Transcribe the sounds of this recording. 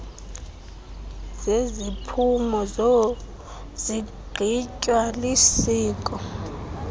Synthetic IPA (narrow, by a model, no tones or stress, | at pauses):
zezipʰumɔzo | z̥iɡ͡ǃ̥ʱit͡ʃʼwalisiːkʼɔ